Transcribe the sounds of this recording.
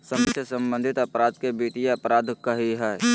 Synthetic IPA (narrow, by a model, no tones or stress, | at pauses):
səməksʰjəsə̃mbə̃nd̪ʱɪt̪əpɾaːd̪̚kebiːʈijeɐpɾaːd̪ʱkəɦiɦɛː